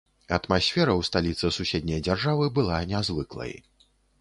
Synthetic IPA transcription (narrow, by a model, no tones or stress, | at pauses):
ɐt̪masʲfʲɛɾɐwst̪alʲit̪sɐsusʲed̪ʲnʲɐjd͡zʲarʐavɨbɨlˠanʲɛazvɨklˠɐ̰j